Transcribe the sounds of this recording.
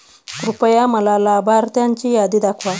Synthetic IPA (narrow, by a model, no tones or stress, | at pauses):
kɾupajamalalabaɾt̪ant͡ʃijad̪id̪akwa